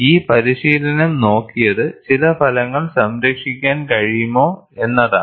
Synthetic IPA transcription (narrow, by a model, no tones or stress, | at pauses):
iːpɐɾiɕiːlɐnɐmno̞ːkːijɐðɨt͡ɕilɐpʰɐlɐŋːɐɭsɐmɾɐkʂikʲːaːnkɐɻijumoː | e̞nːɐða̰ː